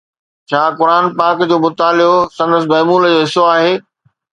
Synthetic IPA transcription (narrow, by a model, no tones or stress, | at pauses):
t͡ɕʰaːkʊɾaːnpaːkd͡ʑoːmʊt̪aːlɪosɐ̃nd̪əsɪmɐɦmuːld͡ʑoːɦɪsoaːɦeː